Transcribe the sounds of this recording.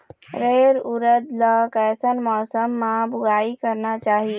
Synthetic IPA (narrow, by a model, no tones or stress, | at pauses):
ɾeɾuɾəd̪ləkɛsənmɔːsəmːabʊɡaikəɾnat͡ʃaɦi